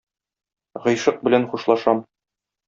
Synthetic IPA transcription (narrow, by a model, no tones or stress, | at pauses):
ʁɤ̆jʃɤq̚bɘ̆lænχuʃlˠɑʃɑm